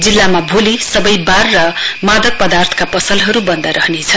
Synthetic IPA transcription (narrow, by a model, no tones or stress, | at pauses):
d͡zilːamabʱolisʌbʌjbarːʌmad̪ʌk̚pʌd̪art̪ʰʌ̥kapʌsʌlɦʌɾubʌnd̪aɾʌɦnet͡sʰʌ